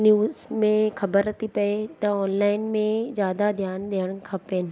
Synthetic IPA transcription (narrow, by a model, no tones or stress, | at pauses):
njuːzmẽxɐbəɾːɐt̪ʰipɐet̪ɐɔːnlaːɪnmẽzjaːd̪ad̪ʱjaːnɗiɦəɽ̃kʰaːpenɪ̆